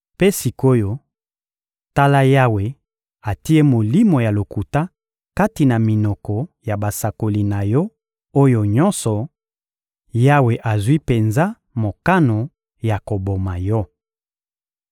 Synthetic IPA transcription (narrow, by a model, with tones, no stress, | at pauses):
pe˦si˨ko˦jo˦ | ta˦la˦ja˦we˨ | a˨ti˦e˦mo˨li˦mo˨ja˨lo˨ku˨ta˦ | ka˦ti˨na˨mi˨nɔ˨kɔ˨ja˨ba˨sa˨ko˨li˨na˨jɔ˦ | o˦jo˨ɲɔ˦nsɔ˨ | ja˦we˨ʔa˨zwi˦pe˨nza˦ | mo˨ka˦no˨ | ja˨ko˨bo˨ma˨jɔ˦